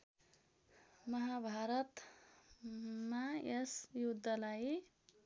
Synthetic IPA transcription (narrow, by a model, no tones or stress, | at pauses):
mʌɦabʱaɾʌt̪ | maesjud̪ʱːʌlai